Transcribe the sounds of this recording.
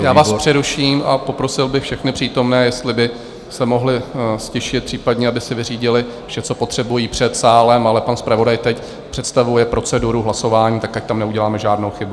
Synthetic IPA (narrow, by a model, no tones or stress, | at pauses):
jaːvaːsspr̝̥ɛɾuʃiːmapo̞pɾo̞sɪlbɪxfʃɛxnɪpr̝̥iːt̪o̞mnɛːjɛst̪lɪbɪ | sɛmo̞ɦlɪscɪʃɪt̪̚pr̥iːpadɲɛabɪsɪvɪriːɟɪlɪ | fʃɛt͡so̞po̞t̪r̝̥ɛbujiːpr̝̥ɛt̪saːlɛmalɛpanspɾavo̞dajt̪ɛc | pr̥ɛt̪st̪avujɛpɾʔo̞t͡sɛduɾuɦlaso̞vaːɲiːt̪akac̚t̪amnɛuɟɛlaːmɛʒaːdnowxɪbu